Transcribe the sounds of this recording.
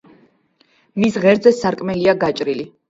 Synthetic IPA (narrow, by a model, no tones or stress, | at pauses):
misʁɛɾd̪zɛsːaɾkʼmɛliaɡat͡ʃʼɾili